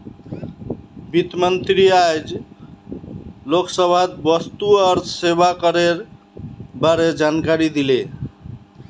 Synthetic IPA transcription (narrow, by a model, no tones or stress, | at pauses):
bit̪mənt̪ɾiajd͡ʒ | loksəbʱat̪̚bəst̪uʌɾsebakəɾeɾ | baɾed͡ʒankaɾid̪ile